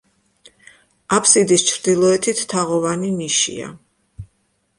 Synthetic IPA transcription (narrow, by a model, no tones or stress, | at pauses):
apʰsid̪ist͡ʃʰɾd̪ilˠɔɛt̪ʰit̪ʰt̪ʰːaʁɔvaniniʃḭa̰